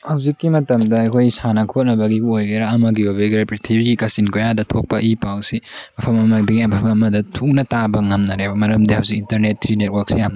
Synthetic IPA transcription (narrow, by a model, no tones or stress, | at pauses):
hɐwzikːimɐtɐmdɐɐkʰojsanɐkʰot̚nɐbɐɡiojɡeɾɐːmɐɡiɐbeɡeɾɐpɾitʰibiɡikɐsinkojadɐtʰok̚pɐʔipawsimɐpʰɐmɐmɐdɐɡiɐbɐbɐmɐdɐtʰuk̚nɐtabɐŋɐmnɐɾebɐmɐɾɐmdihawzikintɐɾnetːɾinet̚wɐɾk̚sijamnɐ